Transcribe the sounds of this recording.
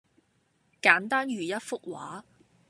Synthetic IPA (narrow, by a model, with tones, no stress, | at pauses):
kaː˨˥nt̪aː˥nɥyː˨˩jɐ˥t̚fʊ˥k̚wa̰ː˨˥